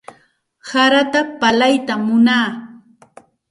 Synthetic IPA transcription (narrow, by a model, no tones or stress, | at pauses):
saɾat̪apalajt̪amːʊnaː